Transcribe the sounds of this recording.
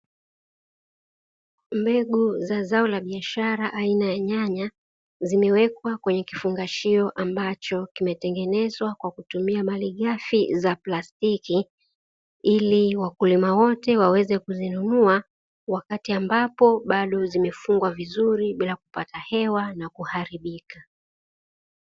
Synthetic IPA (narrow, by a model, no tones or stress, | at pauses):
mbɛɠuzazaɔlaɓiaʃaɾaʔainajaɲaɲa | zimɛwɛkwakwɛɲɛkifuŋɡaʃiɔʔambat͡ʃɔkimɛtɛŋɡɛnɛzwakwakutumiamaliɠafizaplastiki | iliwakulimawɔtɛwawɛzɛkuzinunua | wakatiambapɔɓaɗɔzimɛfuŋɡwavizuɾiɓilakupatahɛwanakuhaɾiɓika